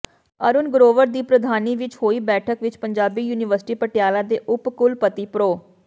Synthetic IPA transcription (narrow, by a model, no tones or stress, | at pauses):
əɾʊnɡɾoːʋəɾd̪iːpɾəd̪ʱaːniːʋɪt͡ʃhoːiːbɛːʈʰəkʋɪt͡ʃpəɲd͡ʒaːbiːjuːnɪʋəɾsɪ̥ʈiːpəʈjaːlãːd̪eːʔʊpkʊlpət̪iːpɾoː